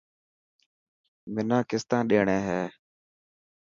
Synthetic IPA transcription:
mɪnãːkɪst̪ãːɗeːɳeːɦeː

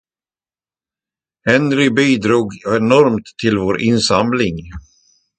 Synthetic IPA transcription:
hɛnɾɪbiːd̪ɾuːɡɛnɔɾmt̪ʰːɪlvoːɾʔɪnsamlɪŋ

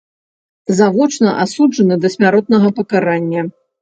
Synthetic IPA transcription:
zavɔt͡ʂnɐʔasud͡ʐɐnɐd̪ɐsʲmʲaɾɔt̪̚nɐɣɐpɐkaɾanʲːɐ

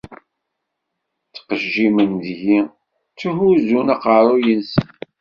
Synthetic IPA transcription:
t͡sːə̥qəʒːimənd̪ji | t͡sːuɦuzunæqəɾˤujənsən

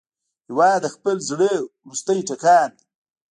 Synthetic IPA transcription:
ɪwad̪əxpəlzɽewɾust̪əjʈakand̪i

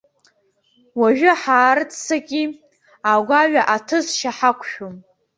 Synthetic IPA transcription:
waʒᶣʊħaːrɨt͡sʼʰsaɡʲi | aɡʷaɥaʔatʰɨzʃaħakʷʰʃᶣom

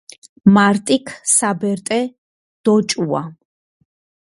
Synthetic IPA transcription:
maɾt̪ʼikʰsabɛɾt̪ʼɛ | d̪̥ɔt͡ʃʼua̰

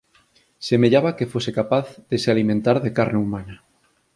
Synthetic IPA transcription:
semeʎaβakefosekapaθðesealimẽnt̪aɾðekaɾneumãna

